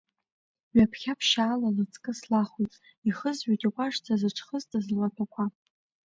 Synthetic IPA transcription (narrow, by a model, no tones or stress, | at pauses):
ɥapʰχʲapʰʃaːlalat͡sʼkʼɨslaχutʼ | iχəzɥajtʼiqʷʼaʂt͡sʰazɨʈ͡ʂʰχəztʰʼazalatʰakʷʰa